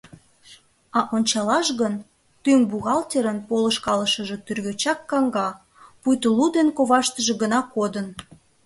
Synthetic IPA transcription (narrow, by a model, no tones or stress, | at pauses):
ɑʔonʲt͡ɕɑlɑʃɣən | t̪yŋbuɣɑlt̪ʲeɾənpolə̆ʃkɑləʃəʒe̽t̪yrɣøt͡ɕɑkːɑŋɡɑ | pujt̪əlud̪enkoβɑʃt̪əʒe̽ɣənɑkod̪ən